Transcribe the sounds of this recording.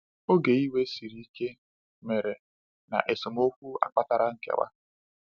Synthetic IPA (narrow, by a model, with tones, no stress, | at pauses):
o˦ɡe˨i˦we˦si˨ɾi˦i˦ke˦ | me˨ɾe˨ | na̰˨ʔe˨sʊ˨m˦o˦kʷu˦a̰˨k͡pa˦ta˦ɾa˦ŋ̩˦kḛ˦wa̰˦